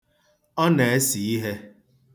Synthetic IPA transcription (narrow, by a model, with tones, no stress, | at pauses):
ɔ˦ne˨e˦si˨i˦ɦe˦